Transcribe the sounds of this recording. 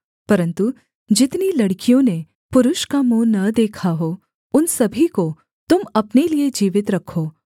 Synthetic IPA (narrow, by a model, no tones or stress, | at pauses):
pɐɾə̃nt̪u | d͡ʒɪt̪nilɐɽkijõne | pʊɾʊʃkamonɐd̪eːkʰaɦo | ʊnsɐbʱiko | t̪ʊmɐpnelied͡ʒiːʋɪt̪ɾɐkʰoː